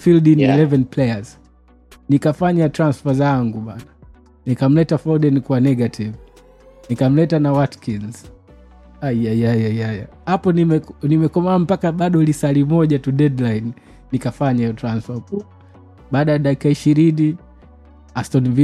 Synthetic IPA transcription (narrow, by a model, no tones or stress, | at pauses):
fildinilɛvɛnplɛjaz | nikafaɲatɾansfazaŋɡuɓana | nikam̩lɛtafɔdɛnikwanɛɡatʰiv | nikam̩lɛtanawatkinz | ajajajajajahapɔnimɛnimɛkɔmaam̩pakaɓaɗɔlisalimɔʄatuɗɛdlajn | nikafaɲajɔtɾansfaku | ɓaːɗajaɗakikaiʃiɾini | astɔnvi